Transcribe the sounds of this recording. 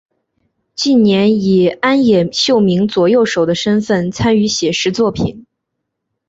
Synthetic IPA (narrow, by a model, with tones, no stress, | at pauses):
t͡ɕi˥˩nnjɛ˧˥ni˨˩a˥njɛ˨˩ɕjo˥˩ʊmi˧˥ŋt͡swɔ˨˩jo˥˩ʊʂo˨˩ʊd̪ə˦ʂə˥nfə˥˩nt͡sʰa˥ny˧˥ɕjɛ˨˩ʂɻ̩˥t͡swɔ˥˩pʰḭ˨˩˦n